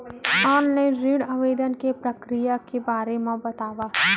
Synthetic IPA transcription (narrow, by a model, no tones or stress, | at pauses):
aːnneɾiɽəʋeːd̪ənkepɾɐkɾijakebaːɾemẽbɐt̪aːʋaː